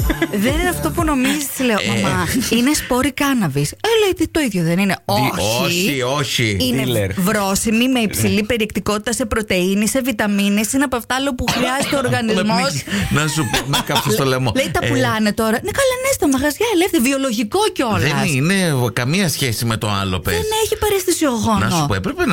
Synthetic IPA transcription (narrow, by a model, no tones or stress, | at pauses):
ðenineɐft̪o̞puno̞mizisleomɐmɐinespo̞ɾikɐnɐviselejðit̪o̞iðʝoðenine̞oçoiioçiinevɾo̞simime̞ipsilipe̞ɾiekt̪ikot̪i̥t̪ɐse̞pɾo̞t̪e̞inise̞vit̪ɐminesineɐpoɐft̪ɐɐlopuxɾiɐzest̪eoːɾɣɐnizmosnɐsupomekɐpsest̪olemolejt̪ɐpulɐnet̪o̞ɾɐnekɐlɐnest̪omɐɣɐzʝɐelefθiɾvio̞lo̞ʝiko̞ceo̞lðeɐnsine̞kɐmiɐsçesimet̪o̰ɐ̰lo̰peeneçipɐɾest̪isioɣonɐsnospoepɾepe